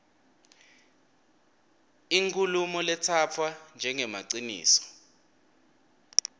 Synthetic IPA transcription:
iŋkʰʼulumɔlɛtʰapfʰwand͡ʒʱɛŋɛmaǀinḭːsɔ̥

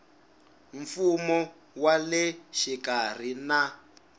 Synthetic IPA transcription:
ɱfumɔ | walɛʃikar̤ina

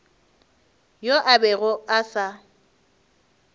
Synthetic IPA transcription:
joʔabɛɣʊasa

